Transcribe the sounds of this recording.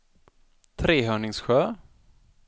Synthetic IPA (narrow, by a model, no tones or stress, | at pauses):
t̪ʰɾeːɦœːɳɪŋsɧœː